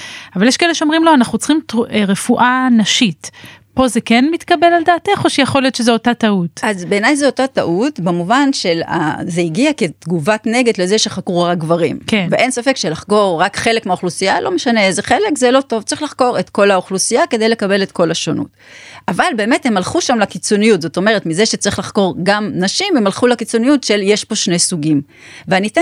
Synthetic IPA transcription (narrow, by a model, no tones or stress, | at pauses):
avaljeʃkeeleʃeo̞mʁimlo̞anaχnut͡sχimtueʁefuʔanaʃitpo̞zekenmitkabe̞laldaːteχoʃejaχolijo̞t̪ʃezeotatautʔazbe̞ːnajzeotataʔutbemuvanʃela̰zeiɡiake̞t̪ɡuvatne̞ɡe̞d̪le̞zeʃeχakʁuʁakɡvaʁḭmkveʔe̞jnsafe̞kʃelaχko̞ʁːakχe̞lekmeaoχlusijalʔo̞meʃaneezeχe̞le̞kzelo̞to̞vt͡saʁiχlaχko̞ʁetko̞laoχlusijake̞dejle̞kabe̞letko̞laʃonʔṵt | avalbe̞ːme̞the̞malχuʃamlakit͡so̞nijutzo̞to̞me̞ʁetmizeʃet͡saʁiχlaχko̞ʁɡamnaʃimemalχulakit͡so̞nijutʃe̞lje̞ʃpo̞ʃne̞jsuɡim | veanite